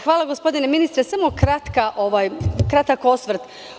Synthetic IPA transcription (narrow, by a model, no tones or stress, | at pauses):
xʋaːlaɡo̞spo̞d̪ineminist̪ɾesamo̞kɾat̪kaʔo̞ʋajkɾat̪akosʋr̩t̪